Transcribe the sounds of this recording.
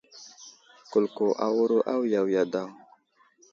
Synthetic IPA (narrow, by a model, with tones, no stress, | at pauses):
ku˨lko˨ʔa̰˦wu˦ɾo˦ʔa˦wja˨wja˨da˦˨w